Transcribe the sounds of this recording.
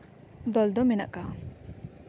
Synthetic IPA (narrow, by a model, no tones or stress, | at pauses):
d̪ɔld̪ɔmena̰ʔkːa